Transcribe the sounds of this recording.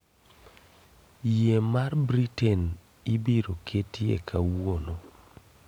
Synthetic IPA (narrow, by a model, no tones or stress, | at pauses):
jemarbɾitɛn | ibeɾokʰetjḛkʰawono